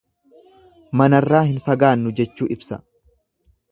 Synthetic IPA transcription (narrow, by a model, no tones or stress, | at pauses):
mɐnɐrːaːhɪnfɐɡaːnːʊd͡ʒɛt͡ʃːuːʔɪbsɐ